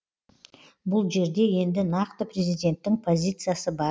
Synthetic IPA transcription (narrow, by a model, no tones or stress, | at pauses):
bʊlˠʒe̞ɾd̪e̞je̞nd̪ɪnɑqt̪əpɾʲe̞zʲijd̪ʲe̞nt̪ːɪŋpʰo̞zʲit̪sɨjasəbɑ